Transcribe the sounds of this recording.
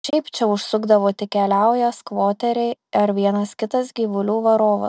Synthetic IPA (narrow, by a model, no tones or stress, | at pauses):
ʃʲɛɪpt͡ʃʲɛʊʃsʊɡd̪ɐʋoːt̪ʲɪkʲɛlʲæˑʊjɛskʋoːt̪ʲɛɾʲɛɪɐɾʋʲiɛnɐskʲɪt̪ɐsɡʲiːʋʊlʲuːʋɐɾoːʋɐ̰